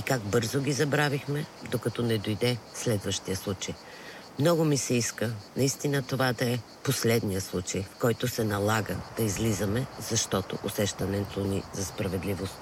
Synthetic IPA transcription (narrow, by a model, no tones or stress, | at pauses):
ikaɡ̚bɤɾzoɡʲizɐbɾavixmɛd̪okɐt̪ɔnɛd̪ojd̪ɛslɛd̪vəʃt̪ijəslˠut͡ʃəj | mnɔɡʊmisɛiskənɐist̪inət̪ovad̪ɐɛ | poslɛd̪nijəslˠut͡ʃəjfkɔjt̪ʊsɛnɐlˠaɡə̰d̪̥ɐizlizɐmɛzɐʃt̪ɔt̪o̰ʔosɛʃt̪ɐnɛnt̪ʰonizɐspɾɐvɛd̪livost̪